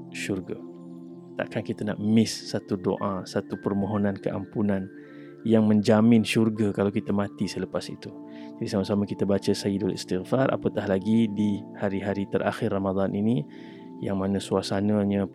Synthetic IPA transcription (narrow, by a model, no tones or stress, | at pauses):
ʃurɡa | t̪a̰ʔkankit̪ana̰ʔmɪsːat̪udo̰ʔasat̪upərmoɦonãnkəʔa̰mpunan | jaŋmə̃ɲd͡ʒamɪnʃurɡakalawkit̪amãt̪isələpasḭt̪u | d͡ʒadisamasamakit̪abat͡ʃasaidolḭst̪ɪɣfarʔa̰pət̪ahlaɡidihaɾiɦaɾit̪əɾʔa̰xɪrːamad̪anʔini | jaŋmanəsuasanaɲa